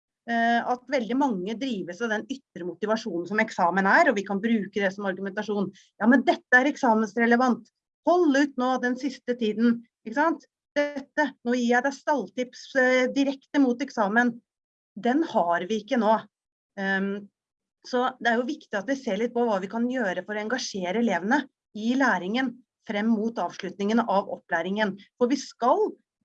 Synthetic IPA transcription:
ɑt̪ʋɛld̪ɪmɑŋːəd̪ɾiːʋəsɑd̪ɛnʏt̪ːɾəmʊt̪ɪʋɑʂuːnn̩sɔmɛksɑːmənæɾɔʋɪkʰɑnbɾʉːkəd̪ɛsɔmɑɾɡʉmɛnt̪ɑʂuːn | jɑːmɛnd̪ɛt̪ːəæɾɛksɑːmənsɾɛləʋɑnt̪ | hɔlːəʉːt̪noːd̪ɛnsɪst̪ət̪ʰiːd̪n̩ | ɪkːəsɑnt̪ | d̪̥ɛt̪ːənoːjiːjæɪd̪æɪst̪ɑlt̪ɪpsd̪ɪɾɛkt̪əmut̪ɛksɑːmən | d̪ɛnhɑɾʋɪɪkːənoː | sɔd̪ɛæɾjʊʋɪkt̪ɪɑt̪ʋɪseːɭɪt̪̚pɔʋɑːʋɪkʰɑnjøːɾəfɔɾɔɛŋɡɑʂeːɾəɛleːʋənə | ɪlæːɾɪŋən | fɾɛmːuːt̪ɑːʋʂɭʉt̪nɪŋənʔɑʋɔ̰pːlæːɾɪŋənfɔɾʋɪskɑl

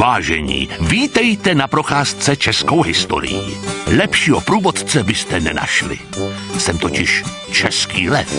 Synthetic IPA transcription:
vaːʒɛɲḭːviːt̪ɛjt̪ɛnapɾo̞xaːst͡sɛt͡ʃɛskowɦɪst̪o̞̰ɾɪ̰jḭlɛpʃiːɦo̰pɾuːvo̞t̪t͡sɛbɪst̪ɛnɛna̰ʃlɪ̰sɛmt̪ocɪʃ | t͡ʃɛskiːlɛt̪

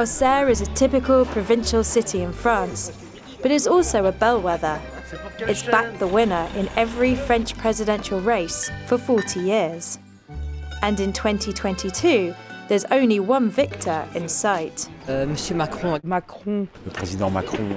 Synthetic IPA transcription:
aʊsɛːɹɪzətʰɪpɪkʰəlˠpʰɹ̥əvɪ̃nʃəlˠsɪtʰiɪ̃nfɹɑ̃ˑns | b̥ʌɾɪzɔˑlˠsəʊəbɛlˠwɛðə | ɪtsb̥ak̚ðəwɪ̃nəɹʔɪ̰̃nɛvɹifɹɛ̃nt͡ʃpʰɹ̥ɛzɪdɛ̃nʃəlˠɹeɪsfəfɔˑtʰijɪəz̥ | ʔə̃nɪ̃ntʰw̥ɛ̃ntʰitʰw̥ɛ̃ntʰitʰʉːðəzə̰̃ʊ̃nliwʌ̃nvɪk̚tʰəɹɪ̰̃nsaɪtməsjəmakχɔ̃makχɔ̃ləpχɛzid̪ɑ̃ma̰kχɔ̰̃

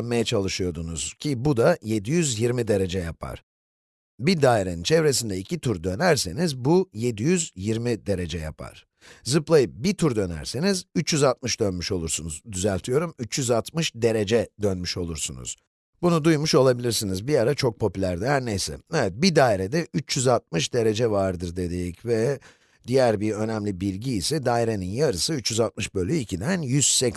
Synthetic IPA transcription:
nmajat͡ʃʰalˠɯʃɯjo̞d̪unuz̥cʰibud̪aje̞d̪ijyzjiɾmid̪e̞ɾe̞d͡ʒɛjapʰa̰ɾ̥ | bid̪aːiɾe̞nint͡ʃʰɛvɾe̞sind̪ɛicʰit̪ʰuɾd̪ø̞næɾse̞nizbuje̞d̪ijyzjiɾmid̪e̞ɾe̞d͡ʒɛja̰pʰa̰ɾ̥ | zɯplˠajɯp̚bit̪ʰuɾd̪ø̞næ̰ɾsenizyt͡ʃjyzat̪̚mɯʃd̪ønmyʃo̞lˠuɾsunuzd̪yzælʲt̪ʰijo̞ɾumyt͡ʃjyzat̪mɯʃd̪e̞ɾe̞d͡ʒɛd̪ønmyʃo̞lˠuɾsunṵz̥ | bunud̪ujmuʃo̞lˠabilʲiɾsinizbiaɾat͡ʃʰo̞k̚pʰo̞pylʲæɾd̪ɛɦæɾnejsɛ̰evɛt̪̚bid̪aːiɾɛd̪ɛʔyt͡ʃjyzat̪̚mɯʃd̪e̞ɾe̞d͡ʒɛvaɾd̪ɯɾd̪e̞d̪ejicvɛ | d̪ijæɾbiɾø̞næmlʲibilʲɟiːsɛd̪aːiɾe̞ninjaɾɯsɯyt͡ʃjyzat̪̚mɯʃbølʲːyicʰid̪ænjyz̥sɛk

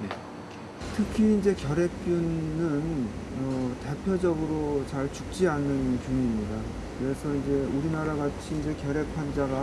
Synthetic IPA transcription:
ne̞ | tʰɯkʰiːnd͡ʑekjʌɾe̞k̚p͈junnɯnʌte̞pʰjʌd͡ʑʌɡɯɾot͡ɕaɭt͡ɕuk̚t͡ɕ͈ianɯnkjuɲiːmɲida | kɯɾe̞sʰʌind͡ʑe̞uɾinaɾaɡat͡ɕʰiːnd͡ʑe̞kjʌɾe̞k̚pʰand͡ʑaɡa

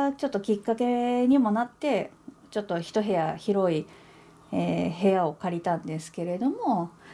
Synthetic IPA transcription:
t͡ɕo̞t̪ːo̞kʲikːake̞ɲ̟imo̞nat̪ːe̞ | t͡ɕo̞t̪ːo̞çi̥t̪o̞ɦe̞jaçiɾo̞i | eːɦe̞ao̞kaɾʲit̪ãnd̪e̞sɨ̥ke̞ɾe̞d̪o̞mo̞

